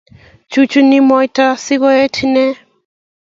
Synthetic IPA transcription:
t͡ʃu˦t͡ʃu˦ni˦mɔjta˦si˦ɣɔ˦e˦tʰinɛ˦

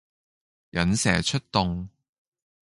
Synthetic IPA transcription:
jɐ˨˥nsɛ̰ː˨˩t͡ʃʰɵ˥t̚t̪ʊ˧ŋ

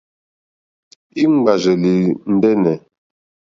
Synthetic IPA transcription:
i˦ŋ͡m̩˦ɡ͡ba˨ʒə˨li˨n̩˦dɛ˦nɛ˨

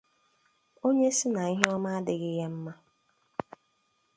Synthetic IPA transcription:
o˦ɲe˦sɪ˦na˨i˦ɦe˦ɔ˦ma˦a˦dɪ˨ɣɪ˦ɦe˦m̩˦ma˦

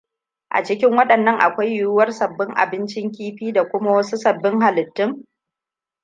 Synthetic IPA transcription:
ʔa̰˨t͡ʃɪ˦kʲɪ˦ŋwɐ˦ɗɐ˨nːɐ˦ŋʔa̰˨kʷa˦jːʊ˦ʊ˦wɐ˦rsɐ˨bːɪ˦ŋʔa̰˨bɪ˦nt͡ʃɪ˦ŋkʲiː˦ɸiː˦da˨kʷʊ˦ma˦wɐ˦su˦sɐ˨bːɪ˦ŋha˨lɪ˨tːɪ˦m

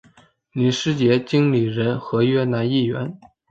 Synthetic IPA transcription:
ni˨˧˥ʂɻ̩˥t͡ɕjɛ˧˥t͡ɕi˥ŋli˨˩ɻə˧˥nxɤ˧˥ɥɛ˥na˧˥ni˥˩ɥɛ̰˧˥n

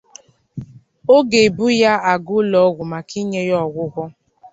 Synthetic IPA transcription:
o˦ɡe˨bu˦ja˦a˨ɡʊ˦lɔ˨˦ɣʷʊ˨ma˨ki˦ɲe˦jɔ˦˨ɡʷʊ˦ɣʷʊ˦

